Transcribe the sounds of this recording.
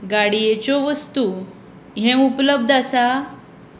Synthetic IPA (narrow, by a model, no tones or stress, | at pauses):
ɡaɽijet͡ɕɔʋəst̪u | ɦɛ̃upləb̚d̪ʱasa